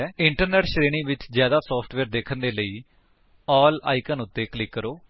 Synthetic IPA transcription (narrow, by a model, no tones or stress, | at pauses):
ɪɳʈəɾnɛːʈʃɾeːnĩːʋɪt͡ʃzjaːd̪aːsɔːpʰʈʋɛːɾd̪eːkʰənd̪eːləiː | ɔːla̰ːikənʊt̪ːeːklɪkːəɾoː